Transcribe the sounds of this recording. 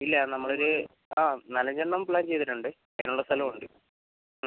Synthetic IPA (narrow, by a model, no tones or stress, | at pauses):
ilːɐnɐmːɐɭo̞ɾu | aːnɐlɐɲd͡ʑeɳːɐmpɭaːnt͡ɕe̞jt̪̬ːɐʈːuɳɖɨ | enːuɭːɐst̪ʰɐlɐmuɳɖɨ